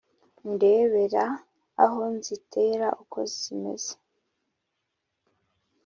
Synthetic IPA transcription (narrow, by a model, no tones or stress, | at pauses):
nde̞ːβe̞ɾa̰ː | ɦo̞nzitʰe̞ːɾaʔukʰo̞̰zzime̞̰z̥e̥